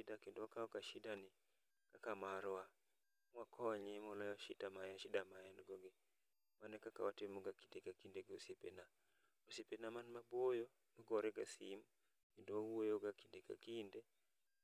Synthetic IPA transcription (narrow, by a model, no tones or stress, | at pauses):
idakendɔakaɔkaʃɪdanɪ | kakamaɾɔa | mwakʰɔɲɛmɔlɔjɔʃɪdamajaʃɪdamajandɡɔɡe | manɛkaka̰watemoɡakidekakindeɡosepḛna | osepenamanmabojo | nɔɡɔɾɛɡasim | kendowawuojoɡakideka̰kinde